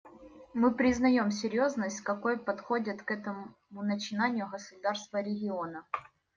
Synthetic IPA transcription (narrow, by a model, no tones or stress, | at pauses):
mɨpɾʲɪznɐjo̞msʲɪɾʲjo̞znəsʲtʲkɐko̞jpɐt̪xodʲɪt̪kɛt̪ə | mʊnət͡ɕɪnanʲɪjʊɣəsʊd̪arst̪vəɾʲɪɡʲɪo̞nə